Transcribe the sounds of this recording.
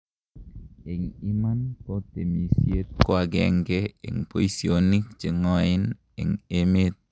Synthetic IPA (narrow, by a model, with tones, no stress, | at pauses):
e˨ŋi˦ma˦nkɔ˦t̪e˨mi˨sje˦t̪̚koa˨ɡɛ̰ŋɡɛḛ˨ŋpo˦isioni˦kt͡ʃi˨ŋɔ˦ɪn | ɛ̰˨ŋemet̪̚